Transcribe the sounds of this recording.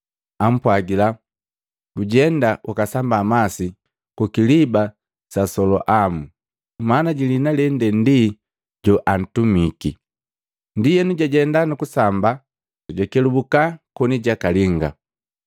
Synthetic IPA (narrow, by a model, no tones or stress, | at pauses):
am̩pwaɡila | ɡuɟɛndaukasambamasi | kukiliba | sasɔlɔ̰ʔamu | manaɟilinalɛndɛndi | ɟɔʔan̩tumiki | ndijɛnuɟaɟɛndanukusamba | tuɟakɛlubukakɔniɟakaliŋɡa̰